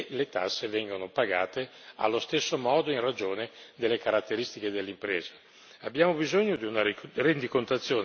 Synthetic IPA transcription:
let̪a̰sːevɛŋɡonopaɡa̰ːt̪ea̰lːost̪esːomɔːd̪oinrad͡ʒoːned̪elːekaɾat̪ːeɾist̪iked̪elːimpɾɛːzḁ | abːjaːmobizoɲːod̪iunarend̪ikont̪at̪sːjoːn

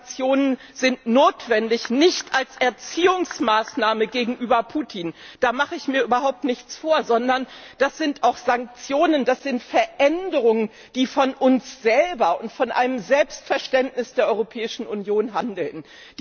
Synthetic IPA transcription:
t͡sjoːnənz̥ɪntnoːtv̥ɛndɪçnɪçtʔalsʔɛɐt͡siːʊŋsmaːsnaːməɡeːɡŋ̩ʔyːbɐpʰuːtʰiːnd̥aːmaχəɪçmiːɐʔyːbɐɦaʊp̚tnɪçt͡sfoːɐzɔndɐnd̥asz̥ɪntaʊxz̥aŋk̚t͡sjoːnəndasz̥ɪntfɛɐʔɛndəʁ̞ʊŋən | d̥iːfɔnʔʊnsz̥ɛlbɐʊntfɔnʔa̰ɪnəmzɛlpstfɛɐʃtɛntnɪsd̥eːɐʔɔʏʁopʰɛːɪʃn̩unjoːnɦandl̩n | d

